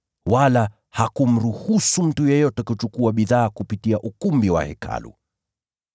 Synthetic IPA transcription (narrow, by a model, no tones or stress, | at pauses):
wala | hakum̩ɾuhusum̩tujɛjɔtɛkut͡ʃukuaɓiðaːkupitiaʔukumbiwa̰hɛ̰kʰa̰lṵ